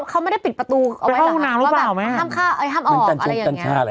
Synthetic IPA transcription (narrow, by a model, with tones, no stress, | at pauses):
kʰa˦˥wma˥˩da˥˩pi˨˩t̪̚pɾa˧t̪uː˧ʔa˧wʰa˥˩huː˧˩naː˦˥mɾɯ˦˧˦plaː˧˨˩wma˧˦˥aː˥˩mkʰaː˥˩ʔa˧˩j̪ʰaː˥˩mʔɔː˧˦˨a˧na˧u˧a˧jaː˨a˧nːŋ˦t͡ɕʰaː˧˩˧